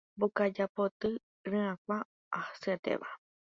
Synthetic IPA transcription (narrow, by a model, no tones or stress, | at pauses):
bokad͡ʒapot̪ɨ | ɾɨ̃ãkʷaː | hasɨet̪ḛʋa̰